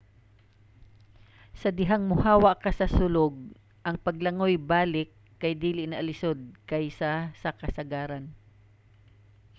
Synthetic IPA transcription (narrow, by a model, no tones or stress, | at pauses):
sɐd̪ɪɦaŋmʊhaːwɐkɐsɐsʊloɡ̚ | ʔɐŋpɐɡ̚lɐŋojbaːlɪkːɐjd̪iːlɪʔnɐʔɐlɪsod̪̚kɐjsasɐkɐsɐɡaːɾan